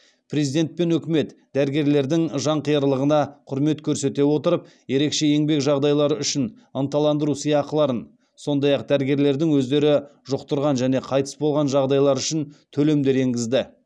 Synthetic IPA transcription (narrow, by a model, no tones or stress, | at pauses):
pʰrezid̪e̞nt̪̚pe̞nɵkʲɪme̞t̪d̪æɾɡʲe̞ɾle̞ɾd̪ɪŋʒɑɴqʰijəɾlˠəʁənɑqʰʊɾme̞t̪kʲʰɵɾse̞t̪e̞wo̞t̪əɾəp | je̞ɾe̞kʃe̞e̞ŋbe̞kʒɑʁd̪ɑjlˠɑɾəʏʃɪn | ənt̪ɑlˠɑnd̪əɾusijɑqəlˠɑɾən | so̞nd̪ɑjɑq̚d̪æɾɡʲe̞ɾle̞ɾd̪ɪŋwɵzd̪e̞ɾɪʒʊqt̪əɾʁɑnʒæne̞qʰɑjt̪ə̥sbo̞lˠʁɑnʒɑʁd̪ɑjlˠɑɾʏʃɪnt̪ʰɵle̞md̪e̞ɾe̞ŋɡʲɪzd̪ɪ